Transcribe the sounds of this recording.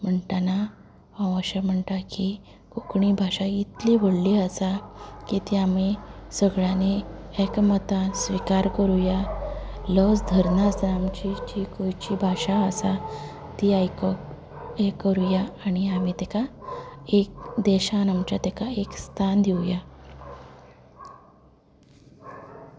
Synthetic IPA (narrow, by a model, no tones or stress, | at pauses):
m̤əɳʈana | ãwəɕam̤əɳʈ̪aki | kokɳibʱaɕait̪liʋəɽliəsakit̪iamisəɡɭjaneekmət̪asʋikaɾkəɾuja | lɔsd̪ʱəɾnasamt͡ɕit͡ɕikojt͡ɕibʱaɕaəsa | t̪iaj | ekəɾujaːɽ̃iamit̪ɛka | ek̚d̪eɕanamt͡ɕat̪ekaekst̪ʰand̪ʱiwja